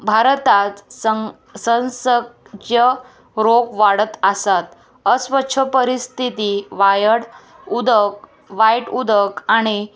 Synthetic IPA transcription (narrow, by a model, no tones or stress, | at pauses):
bʱaɾt̪at͡sə | sə̃nsəkjə | ɾokʋaɽət̪asat̪ | əsʋətːɕʰəpəɾist̪ʰit̪iʋajəɽ | ud̪ək̚ | ʋajʈud̪əkaɽ̃i